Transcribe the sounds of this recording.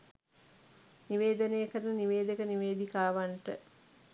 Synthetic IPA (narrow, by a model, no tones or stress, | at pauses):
niʋeːd̪ənejəkəɾənəniʋeːd̪əkəniʋeːd̪ikaːʋaɳʈə̰